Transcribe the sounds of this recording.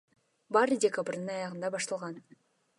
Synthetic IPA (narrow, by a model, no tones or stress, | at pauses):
bɑɾɨdʲekabɾd̪ɯnɑjɑʁɯnd̪ɑbɑʃt̪ɑlˠʁɑn